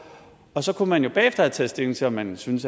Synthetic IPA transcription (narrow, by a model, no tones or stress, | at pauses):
ɒ̽sɒ̽kʰunmænjo̝b̥ɛ̰ːefd̥ɐæt͡sʰɛ̰ːsd̥e̝ŋ̩t͡sʰe̝ɒmːænsynəs